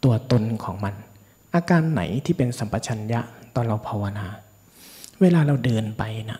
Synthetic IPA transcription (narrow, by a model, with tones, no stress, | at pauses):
t̪u˧ɐt̪o˧nkʰɔː˩˦ŋma˧n | ʔaː˧kaː˧nːa̰˩˦jt̪ʰiː˥˩pe˧nsa˩˦mpa˧t͡ɕʰa˧nja˦˥ʔt̪ɔː˧˩nɾa˧wpʰa˧wa˧naː˧ | weː˧laː˧ɾa˧wdɤː˧npa˧jna̰˧˥ʔ